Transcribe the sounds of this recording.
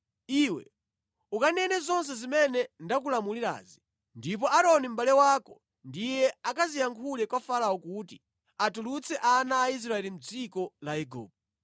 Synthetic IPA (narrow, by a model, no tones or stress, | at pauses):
iwɛ̰ | ukanɛnɛzɔns̬ɛzimɛnɛndak̬ulamuliɾa̰ːzi | ndip̬ɔʔaɾɔnim̩balɛwaːkɔ | ndijɛakazijaŋkʰulɛkwafaɾaɔkut̬i | atulut͡sʰɛʔanaːis̬ɾaɛlim̩d͡zikɔlaɛɡṵːp̚ɛ